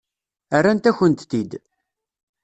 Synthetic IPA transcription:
arːant̪æçənt̪t̪id̪

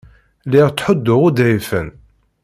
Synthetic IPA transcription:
liʁt͡sːħʊd̪ːʊʁud̪æjfən

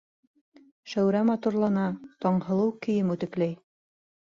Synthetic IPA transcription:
ʃæwɾæmɑt̪uɾlˠɑnɑt̪ɒɴhɤ̆lˠɤwkɘ̆jɘmʉt̪ɘ̆klæj

